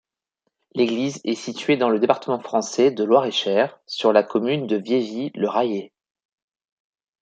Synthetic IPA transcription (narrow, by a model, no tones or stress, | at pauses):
leɡlizɛsit̪ɥed̪ɑ̃ləd̪epaʁt̪əmɑ̃fχɑ̃sɛd̪əlwaʁeʃɛʁsyʁlakʰɔmynd̪əvjeviləʁaje